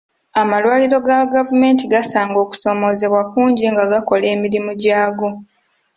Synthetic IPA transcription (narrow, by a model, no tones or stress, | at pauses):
amalwaːliɾo̞ɡaɡavume̞ːntiɡasaːŋɡo̞ːku̥so̞mo̞ze̞βwakuːɲɟiŋɡaɡako̞le̞ːmiɾimuɟaːɡo̞